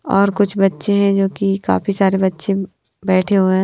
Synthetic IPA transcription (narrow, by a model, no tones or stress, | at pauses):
ɔːɾkʊt͡ʃʰbɐtːʃeɦɛ̃d͡ʒoːkika̰ːfisaːɾebɐtːʃẽ | bɛːʈʰeɦoɛ̃